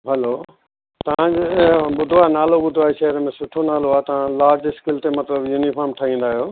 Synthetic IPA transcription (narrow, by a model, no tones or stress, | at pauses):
ɦɐlo | t̪ɐʋãɲd͡ʑ̃bʊd̪ʱoaːnaːloɓʊd̪ʱoaːiʃɐɦɾəmẽsʊʈʰonaːloaːt̪ɐʋ̤ãlaːɾd͡ʑɪskɪlt̪emɐt̪ləbjunifʰaːɾmʈʰɐɦĩːn̆d̪aːɦijoː